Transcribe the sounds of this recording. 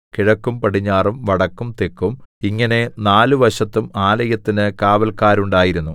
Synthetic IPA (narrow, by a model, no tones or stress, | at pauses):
kiɻɐkːumpɐɽiɲːaːrumʋɐɽɐkːumt̪ekːumiŋːɐne̞naːluʋɐʂɐt̪ːumaːlɐjɐt̪ːinɨkaːʋɐlkaːɾuɳɖaːjiɾunːu